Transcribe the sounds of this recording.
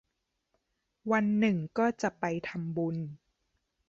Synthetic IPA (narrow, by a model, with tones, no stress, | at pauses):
wa˧nːɯ˨˩ŋkɔː˥˩t͡ɕa˨˩ʔpa˧jt̪ʰa˧mbu˧n